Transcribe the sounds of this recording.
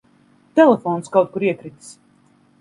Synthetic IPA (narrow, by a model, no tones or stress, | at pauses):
t̪ɛlɛfɔːnskawt̪̚kuɾiɛkɾit̪s